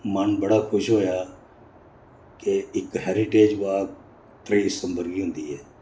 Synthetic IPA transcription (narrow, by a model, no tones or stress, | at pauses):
mənbəɽaːkʰʊʃɦoːjaː | keɪkɦɛːɾɪʈeːd͡ʒʋaː | t̪ɾeiːsə̃mbəɾɡiːɦʊ̃nd̪iːɦɛː